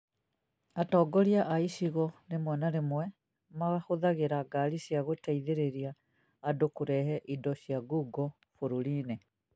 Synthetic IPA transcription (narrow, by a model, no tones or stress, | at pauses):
atɔːɡɔɾiaʔaiʃiɣɔnemwɛnaɾemwɛ | maɣaxoðaɣeɾaɡaɾisjaɣotaiðeɾeɾiaː | dokuɾɛhɛʔidɔʃjaɡuɡɔ | foɾuline